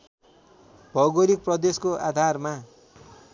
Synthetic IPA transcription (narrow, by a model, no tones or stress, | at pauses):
bʱʌɡoɾik̚prʌd̪eskoʔa̰d̪ʱarma